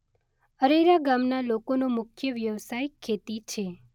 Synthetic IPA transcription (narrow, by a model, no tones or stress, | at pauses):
əɾeɾaɡamnalokonomʊkʰjəʋjəʋsajɪkʰːet̪it͡ʃʰe